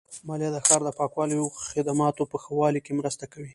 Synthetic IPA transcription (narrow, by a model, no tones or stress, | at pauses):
mɑljad̪əxɑɾd̪əpɑkwɑlijoxɪd̪amɑt̪opəxawɑlikemɾəst̪akawi